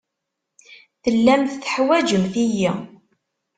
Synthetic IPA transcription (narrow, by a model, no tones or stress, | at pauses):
θəlːæmθθə̥ħwæd͡ʒəmθiji